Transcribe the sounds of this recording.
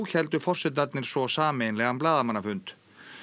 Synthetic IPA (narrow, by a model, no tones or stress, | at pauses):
çɛlt̪ʏfɔr̥sɛt̪nat̪nɪɾ̥svɔsaːmejnlɛɣamplaːðamanːafʏnt̪